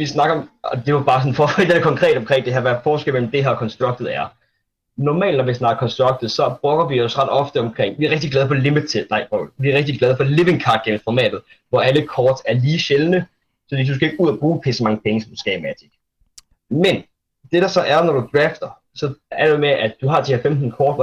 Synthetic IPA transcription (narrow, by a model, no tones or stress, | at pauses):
ʋisnɑ̈ɡ̥ɐɒ̽mɒd̥e̝ʋɑb̥ɑ̈ːsɒ̽n̩fɒfdekʰɒ̽ŋkʰʁɛ̰ːd̥ɒ̽mkʰɛ̰ŋd̥e̝hæɐʋæɐ̥fɒːsɡel̰mḛm̩d̥e̝ɦeɐkʰɒ̽nsd̥ʁɑ̈ɡ̥̚d̥ð̞̩ˠæɐ | nɒmɛ̰ːld̥nɒʋisnɑ̈ːɡ̥ɐkʰɒnsd̥ʁɑɡ̥d̥ð̩ˠsɒ̽b̥ʁɔ̽ɡ̥ɐʋiɒ̽sʁɑd̥ɒ̽fd̥əɒ̽mkʰʁeŋ̰ʋiæɐʁeɡ̥̚d̥iɡ̥lɛð̞ˠfɒ̽limi̥t͡sʰe̥nɑ̈ɪfɒʋiæɐʁeɡ̥̚d̥iɡ̥lɛð̞ˠfɒ̽leʋe̝ŋkʰɑ̈ːd̥̚ɡ̥el̰m̩fɒmɛ̰ːd̥ð̞̩ˠ | ʋɒæləkʰɒːd̥æɐliːɕelənə | sɒ̥dḭːd̥uskʰæe̝ɡ̥uð̞̰ˠɒb̥ʁuːpʰesɒmɑ̈ŋəpʰeŋəsɒmd̥usɡ̥ɛːmæd̥ʰiɡ̥ | men | d̥e̝ɾ̥ɑ̈sɒ̽ʔæɐnɒd̥ud̥ʁɛːfd̥ɐ | sɒ̽æ̥emeʔæd̥uɦɑ̈ːt͡sʰiːhæfemd̥n̩kʰɒːd̥ʋ